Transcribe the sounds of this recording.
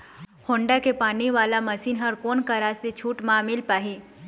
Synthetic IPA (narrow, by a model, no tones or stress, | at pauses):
hõːɳɖakepaːniʋaːlamɐsiːnɦɐɾkoːnkaɾaset͡ʃʰuːʈmãːmɪlpaːɦiː